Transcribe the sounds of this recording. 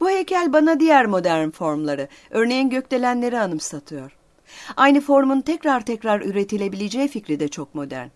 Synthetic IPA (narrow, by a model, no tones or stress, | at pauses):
b̥uhecʰælʲbanad̪ijæɾmo̞d̪æɾnfo̞ɾmlˠaɾɯ | ø̞ɾnejinɟø̞clʲe̞lʲænlʲe̞ɾianɯmsat̪ʰɯjo̞ɾ̥ | ajnɯfo̞ɾumunt̪ʰɛcɾaɾt̪ʰɛcɾaɾyɾe̞t̪ʰilʲe̞bilʲed͡ʒɛːficɾid̪ɛt͡ʃʰo̞k̚mo̞d̪æ̰ɾn